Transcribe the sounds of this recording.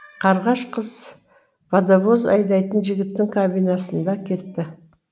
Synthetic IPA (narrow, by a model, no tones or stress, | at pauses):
qʰɑɾʁɑʃqʰəz̥ | vɑd̪avozɑ̰jd̪ɑjt̪ənʒɪɡʲɪt̪ːɪŋkʰabijnɑsənd̪ɑkʲʰe̞ɾt̪ːɪ